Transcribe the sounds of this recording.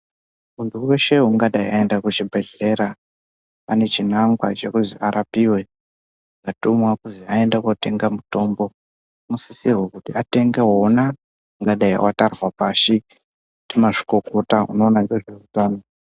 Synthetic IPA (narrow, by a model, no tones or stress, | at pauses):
unduweʃe̞ɦuŋɡaɗaiaendakut͡ʃibʱe̞ɮe̞ɾa | ane̞t͡ʃinaŋɡwa̰t͡ʃe̞kuziaɾʔapiwe̞ | ɡatumwakuziae̞ndakote̞ŋɡamuto̞mbo̞ | musisirwekutiate̞ŋɡeɦːna | uŋɡaɗaḭwʔatarwapaʃi | kutimaʐi̥ko̞kotaṵno̞ːnandeʐerutaːno